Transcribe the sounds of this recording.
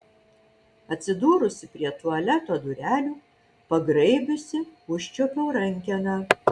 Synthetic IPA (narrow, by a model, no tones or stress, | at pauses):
ɐt̪ʲsʲɪd̪uːɾʊsʲɪpʲɾʲiɛt̪uɐlʲɛt̪oːd̪ʊɾʲæːlʲuː | pɐɡɾɐɪbʲʊsʲɪʊʃʲt͡ʃʲopʲoːɾɐŋʲkʲɛnɑ